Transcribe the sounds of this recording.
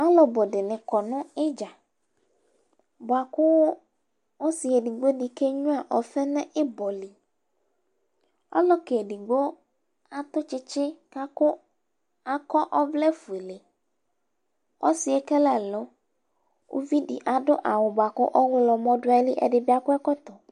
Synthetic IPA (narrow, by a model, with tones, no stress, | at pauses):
a˦lɔ˨bɔ˨dɪ˨nɪ̃˨kɔ˨nʊ̃˦ɪ˦d͡ʒa˨ | bʊ˨a˨kʊ˦ | o˦si˨e˨di˨ɡ͡bo˦di˨ke˦ɲʊ̃˦a˨ʔɔ˨fɛ˦nɛ̃˦ʔɪ˦bɔ˨li˨ | a̰˦lɔ˦ke˨e˨di˨ɡ͡bo˦ | a˨t̪ʊ˦t͡ʃɪ˦t͡ʃɪ˦ka˦kʊ˦ | a˨kɔ˦ʔɔ˦vlɛ˦fu˨e˨le˨ | ɔ̰˦sɪ˨e˦kɛ˦la˨lɔ˦ | o̰˦vi˦dḭ˨ʔa˨ɖʊ˦ʔa˨wʊ˨bʊ˨a˨kʊ̰˦ʔɔ˦wʊ˦lɔ˨mɔ̃˦dʊ˦a˦li˦ʔɛ̰˨ɖɪ˨bɪ˦a˨kʊ˦ɛ˦kɔ˦t̪ɔ˨